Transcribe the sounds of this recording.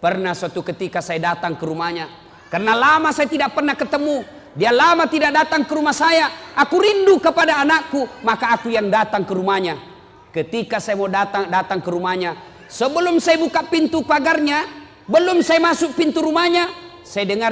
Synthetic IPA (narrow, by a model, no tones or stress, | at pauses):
pərnasuat̪ukət̪ikasajadat̪aŋkəɾumaɲa | karnalamasajat̪idaʔ̚pərnahkət̪əmu | dialamat̪idaʔ̚dat̪aŋkəɾumahsajaʔakuɾindukəpadaːnakːumakaːkujaŋdat̪aŋkəɾumaɲa | kət̪ikasajamɔdat̪adat̪aŋkəɾumaɲa | səbəlumsajabukapint̪upaɡarɲa | bəlumsajmasuk̚pint̪uɾumaɲa | sajadəŋar